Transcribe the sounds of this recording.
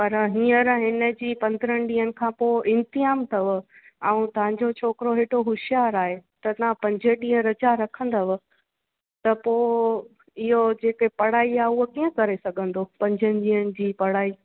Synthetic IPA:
pɐɾɦĩːəɾɦɪnə̆d͡ʑiːpɐ̃nd̪ɾənɗĩːənɪ̆kʰãːpoːʔɪ̃nt̪ɪɦaːmt̪ʰɐʋ̆ | ɛ̃ũt̪ɐɦãɲd͡ʑot͡ɕʰoːkɪɾoɦeːʈoɦʊʃjaːɾaːɦet̪ɐt̪ɐʋ̤ãpɐ̃ɲd͡ʑʱəɗĩːə̃ɾɐd͡ʑaɾɐkʰə̃nd̪ɐʋ̆ | t̪ɐpoːɪ | ɪɦod͡ʑeːkepɐɽ̤aːiaːɦʊɦokiːə̃kɐɾesɐɡʱə̃nd̪opɐ̃ɲd͡ʑʱənɪ̆ɗĩːənɪ̆d͡ʑiːpɐɽaːiː

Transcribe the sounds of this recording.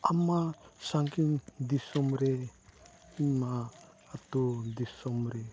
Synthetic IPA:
amasaŋkind̪isɔmɾe | maː | t̪ud̪isɔmɾe

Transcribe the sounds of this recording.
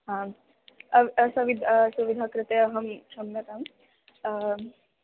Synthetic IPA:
ɦã | ɐʋɐsɐʋid̪ʱsuʋid̪ʱakɾɪt̪eɐɦɐmʃɐmjɐt̪am

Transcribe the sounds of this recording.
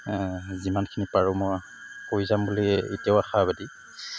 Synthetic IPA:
zimankʰinipaɹumɔj | koizambuliḛtijaʊaxabadi

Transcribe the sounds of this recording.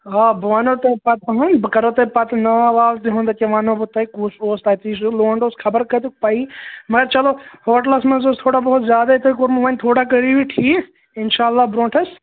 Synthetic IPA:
ɦaːbʋaːnot̪ɐpɐt̪ʰɦɐnbkɐɾot̪ɐpɐt̪naːʋaːt̪iɦõːnd̪aːkeʋaːnobʊt̪ɐikusoːst̪ɐt̪iːsuloːɳɖoːsxʰɐbəɾkɐt̪ukpɐimɐɡɐɾt͡ʃɐlohoːʈlɐsmɐ̃nzoːst̪ʰoːɽabɐɦʊt̪zjaːd̪ait̪ʰokoɾmuʋɐ̃nt̪ʰoːɽakɐɾiʋiʈʰiː | ɪnʃaːlːaːbɾõːʈʰɐs

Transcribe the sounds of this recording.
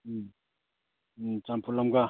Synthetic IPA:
t͡ʃampʰulamɡa

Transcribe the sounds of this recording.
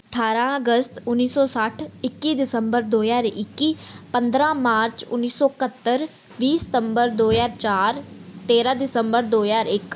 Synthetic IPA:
əʈʰaːɾãːəɡəst̪ʊnːiːsɔːsəʈʰɪkːiːd̪ɪsəmbəɾd̪oːjaːɾɪkːiːpənd̪ɾãːmaːɾt͡ʃʊ̰nːiːsɔːkət̪ːəɾ | ʋiːsɪ̥t̪əmbəɾd̪oːzaːɾt͡ʃaːɾt̪eːɾãːd̪ɪsəmbəɾd̪oːjaːɾɪk

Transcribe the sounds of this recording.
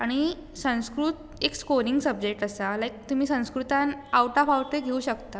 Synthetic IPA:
aɽ̃i | sə̃w̃skɾuːt̪ | ekskoɾiŋɡsəb̚d͡ʑek̚ʈəsalajk̚t̪um̤iːsə̃w̃skɾut̪anawʈafawʈeɡʱeuɕəkt̪a

